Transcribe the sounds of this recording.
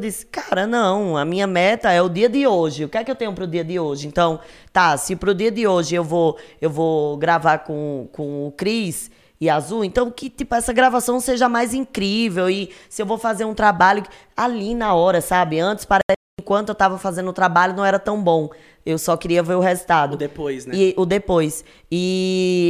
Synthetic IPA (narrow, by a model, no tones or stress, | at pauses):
ewd̪isɪ̥kaɾɐnɐ̃w̃ɐmĩɲɐmɛt̪ɐɛʊd̪iɐd̪ɪoʒɪʊkɪɛkɪewt̪ẽɲʊpɾʊd̪iɐd̪ɪoʒɪẽnt̪ɐ̃w̃t̪asɪpɾʊd̪iɐd̪ɪoʒɪewvoewvoɡɾavaɾkõkõʊkɾis | ɪazuwẽnt̪ɐ̃w̃kɪt̪ipʊɛsɐɡɾavasɐ̃w̃seʒɐmajzĩkɾivewɪsɪewvowfazeɾũt̪ɾabaʎʊ | alinɐɔɾɐsabɪɐ̃nt̪ɪ̥spaɾɛsɪẽkwɐ̃nt̪ʊewt̪avɐfazẽnd̪ʊt̪ɾabaʎʊnɐ̃w̃ɛɾɐt̪ɐ̃w̃bõ | ewsɔkɪɾiɐveɾʊhezut̪ad̪ʊd̪epojznʊd̪epojs | ɪ